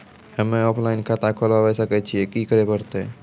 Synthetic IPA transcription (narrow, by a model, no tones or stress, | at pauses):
həmẽɔːpʰlaɪnkʰat̪akʰolaʋɛsəkɛt͡ʃʰiekikəɾepəɾt̪e